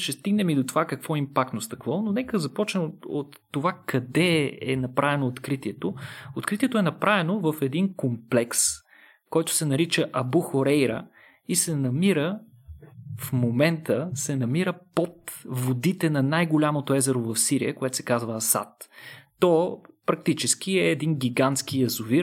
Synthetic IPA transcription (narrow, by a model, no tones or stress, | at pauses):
ʃɛst̪iɡnɛmid̪ot̪ovakɐkvɔimpak̚t̪nost̪ɐkvɔnonɛkəzɐpɔt͡ʃnɛot̪ːovakɐd̪ɛɛ̰nɐpɾavɛnoːt̪kɾit̪iɛt̪oot̪kɾit̪iɛt̪oʊɛnɐpɾavɛnovəfɛd̪inkomplɛks | kɔjt̪ʊ̥sɛnɐɾit͡ʃəʔɐbuxoɾɛjɾə̰ | isɛnɐmiɾə | fmomɛnt̪əsɛnɐmiɾəpot̪vod̪it̪ɛnɐnajɡolʲamot̪oɛzɛɾovɐfsiɾḭjəkoɛt̪o̥sɛ̥kazvəsa̰t̪ː | ɔpɾɐk̚t̪it͡ʃɛsk̟iɛːd̪inɡʲiɡant̪sk̟ijɐzʊviɾ